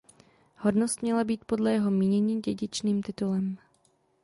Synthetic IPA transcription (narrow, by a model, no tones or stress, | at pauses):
hodnost̪mɲɛlabiːt̪̚po̞dlɛjɛɦo̞miːɲɛɲiːɟɛɟɪt͡ʃniːmt̪ɪt̪ulɛm